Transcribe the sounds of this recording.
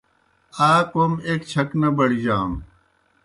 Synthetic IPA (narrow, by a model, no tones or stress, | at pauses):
aːkomeːkt͡ɕʰɐknɐbɐɽid͡ʑaːm